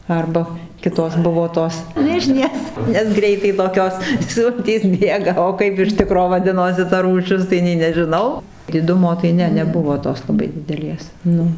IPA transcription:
ˈɐrbɐ ˈkʲɪtoːs ˈbʊʋoː ˈtoːs ˈmʲɪʒʲnʲeːs nʲɛs ˈɡrʲɛɪtɐɪ toːˈkʲoːs ˈsʊlʲtʲiːs ˈbʲeːɡɐ oː ˈkɐɪp ɪr ˈtʲɪkroː ʋɐˈdʲɪnoːsʲɪ tɐ ruːˈʃʲɪs tɐɪ ˈnʲɛɪ nʲɛʒʲɪˈnɐʊ dʲɪˈdʊmoː tɐɪ ˈnʲɛ nʲɛˈbʊʋoː ˈtoːs lˠɐˈbɐɪ dʲɪdʲɛˈlʲeːs ˈnʊ

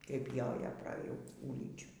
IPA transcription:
kɐɪp ˈjoːjoː prɐ ˈjuː ˈɡuːlʲɪnʲt͡ʃʲuː

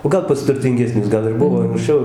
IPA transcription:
oː ˈɡɐlˠ pɐs tʊrʲtʲɪŋʲɡʲɛˈsʲnʲʊs ˈɡɐlˠ ɪr ˈbʊʋoː ɐŋkˈsʲt͡ʃʲɛʊ

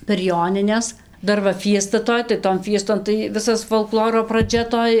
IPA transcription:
pʲɛr ˈjoːnʲɪnʲɛs ˈdɐr ʋɐ ˈfʲiɛstɐ ˈtoːj tɐɪ toːn ˈfʲiɛstoːn tɐɪ ˈʋʲɪsɐs foːlˠˈklˠoːroː prɐˈd͡ʒʲɛ toːj

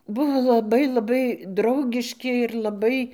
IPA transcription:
ˈbʊʋoː lˠɐˈbɐɪ lˠɐˈbɐɪ ˈdrɐʊɡʲɪʃʲkʲɪ ɪr lˠɐˈbɐɪ

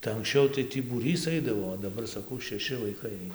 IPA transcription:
tɐɪ ɐŋksʲˈt͡ʃʲɛʊ tɐɪ ˈtʲiː buːˈrʲiːs ˈɐɪdɐʋoː oː dɐˈbɐr sɐˈkɐʊ ʃʲɛˈʃʲɪ ʋɐɪˈkɐɪ ˈɐɪnɐ

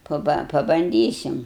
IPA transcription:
pɐˈbɐ pɐbɐnʲˈdʲiːsʲɪm

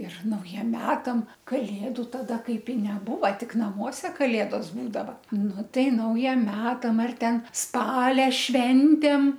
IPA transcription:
ɪr nɐʊˈjiɛm ˈmʲæːtɐm kɐˈlʲeːdʊ tɐˈdɐ ˈkɐɪp ɪ nʲɛˈbuːʋɐ ˈtʲɪk nɐˈmuɔsʲɛ kɐˈlʲeːdoːs ˈbuːdɐʋɐ ˈnʊ ˈtɐɪ ˈnɐʊjiɛm ˈmʲæːtɐm ɐr ˈtʲɛn ˈspɑːlʲɛ ˈʃʲʋʲɛnʲtʲeːm

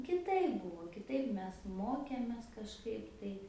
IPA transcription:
kʲɪˈtɐɪp ˈbuːʋoː kʲɪˈtɐɪp ˈmʲɛs ˈmoːkʲeːmʲeːs kɐʃˈkɐɪp tɐɪ

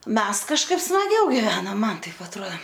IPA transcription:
ˈmʲɛs kɐʃˈkɐɪp smɐˈɡʲɛʊ ɡʲɪˈʋʲæːnoːm ˈmɐn ˈtɐɪp ɐtˈruɔ

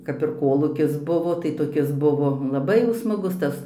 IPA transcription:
kɐp ɪr ˈkoːlˠuːkʲɪs ˈbʊʋoː tɐɪ toːˈkʲɪs ˈbʊʋoː lˠɐˈbɐɪ jɛʊ smɐˈɡʊs ˈtɐs

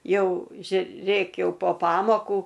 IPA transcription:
ˈjɛʊ ʒʲʊˈrʲeːk ˈjɛʊ poː ˈpɑːmoːkuː

